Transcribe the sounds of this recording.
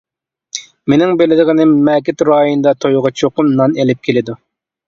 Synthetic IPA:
menɪŋbelɪd̪ɪʁɪnɪmɛːk̬ʲɪt̪ɾɑːjind̪ɑt̪ʰojʁɑt͡ʃʰoqʊnːɑnelɪp̚kʲʰelɪd̪u

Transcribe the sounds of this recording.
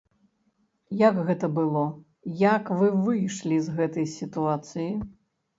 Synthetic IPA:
jɐɡɣɛt̪ɐbɨlˠɔ | jɐkvɨvɨjʂlʲizɣɛt̪ɐjsʲit̪uat̪sɨji

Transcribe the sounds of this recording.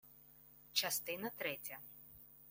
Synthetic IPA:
t͡ʃɐst̪ɪnɐt̪ɾɛtʲɐ

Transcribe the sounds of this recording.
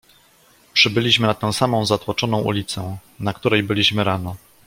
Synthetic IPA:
pʂɘbɘlʲiɕmɘnat̪ɛ̃w̃samɔ̃w̃zat̪wɔt͡ʂɔnɔ̃w̃ʔṵlʲit̪sɛnakt̪uɾɛjbɘlʲiɕmɘɾanɔ

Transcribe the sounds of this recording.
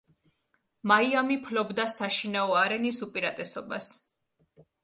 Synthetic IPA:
maiamipʰlɔbd̪asaʃinaɔaɾɛnisupʼiɾat̪ʼɛsɔbas

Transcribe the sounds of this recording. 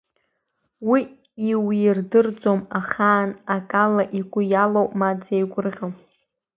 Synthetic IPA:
wi | iwirdɨrd͡zʼomaχaːnakʼalaʔiɡʷʊjalowʔʼmad͡zejɡʷʊrʁʲom

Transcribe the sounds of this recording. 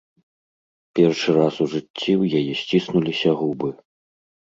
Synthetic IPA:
pʲɛrʂɨɾasuʐɨt͡sʲːiwjajɛsʲt͡sʲisnulʲisʲɐɣubɨ

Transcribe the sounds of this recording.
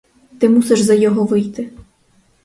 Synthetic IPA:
t̪ɪmusɛʐzɐjɔɦɔʋɪjt̪ɪ

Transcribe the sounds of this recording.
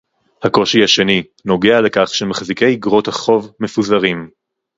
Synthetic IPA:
hako̞ʃihaʃe̞ni | no̞ɡeale̞kaχʃemaχzike̞jɡʁo̞thaχo̞vme̞fuzaʁim

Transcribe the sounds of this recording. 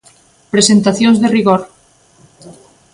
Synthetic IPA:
pɾesent̪aθjõŋzðeriɣoɾ

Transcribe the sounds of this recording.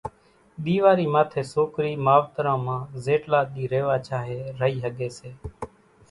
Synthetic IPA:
ɗ̪iːʋaːɾiːmaːt̪ʰeːsoːkɾiːmaːʋt̪ɾãːmãːzeːʈlaːɗ̪iːɾeːʋaːt͡ʃaːɦeːɾəɦiːɦəɠeːseː

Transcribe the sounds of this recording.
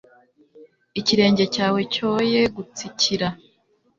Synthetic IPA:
iciɾe̞ːɲɟe̞caːwe̞co̞jeɡut͡sicʰiɾa

